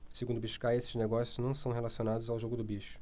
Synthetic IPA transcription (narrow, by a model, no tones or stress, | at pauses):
seɡũnd̪ʊbiʃkaɾesɪzneɡɔsjʊznɐ̃w̃sɐ̃w̃ɦelasionad̪ʊzawʒoɡʊd̪ʊbiʃʊ̥